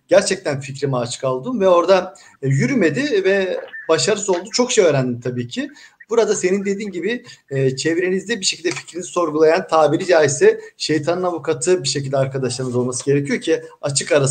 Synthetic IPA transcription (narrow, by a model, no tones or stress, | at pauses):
ɟ̥æɾt͡ʃʰɛc̚t̪ʰænficɾimiat͡ʃʰɯ̥kalˠd̪ɯmvɛo̞ɾd̪a | jyɾyme̞d̪ɪvɛbaʃaɾɯso̞lˠd̪ut͡ʃʰo̞kʃejøːɾænd̪imt̪ʰabiːcʰi | b̥uɾad̪ase̞nind̪e̞d̪iːnɟibɪt͡ʃʰevɾe̞nizd̪ɛbiʃe̞cʰʲilʲd̪ɛfi̥cɾiniziso̞ɾɡulˠajant̪ʰaːbiɾid͡ʒaːjisɛʃe̞jt̪ʰanɯnavukʰat̪ʰɯbiʃecilʲd̪ɛaɾkʰad̪aʃlˠaɾɯnɯzo̞lˠmasɯɟe̞ɾecʰijo̞ɾcʰiat͡ʃʰɯkaɾa